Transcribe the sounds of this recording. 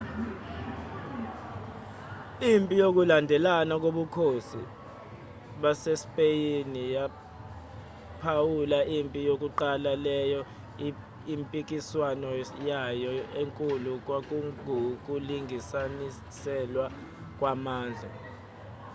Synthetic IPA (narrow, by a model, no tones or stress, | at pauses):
impʼijok̬ulandʱɛlanak̬oɓukʰosi | ɓasespʼejinija | pʰawulaimpʼijok̬uǃalalɛjɔ | impʼik̬iswanɔjajɔeŋkʼuluk̬wak̬ʼuŋʱuk̬ʼuliŋisani | sɛlwa | k̬ʼwamaːnd͡ɮʱa̰